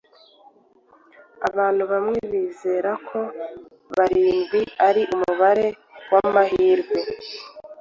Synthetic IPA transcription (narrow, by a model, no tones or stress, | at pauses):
aβaːn̥huβamŋe̞βiːzeɾakʰo̞ | βaɾiːŋɡiaɾiʔumuβaɾe̞ | wamaɦiːɾɡwe̞